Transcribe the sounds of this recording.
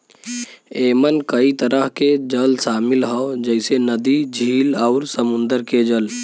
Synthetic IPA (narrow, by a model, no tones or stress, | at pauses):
eːmənkəit̪əɾəɦked͡ʒəlsaːmɪlɦɔd͡ʒəɪsenəd̪id͡ʒʱiːlɔːɾsəmʊ̃nd̪əɾked͡ʒəl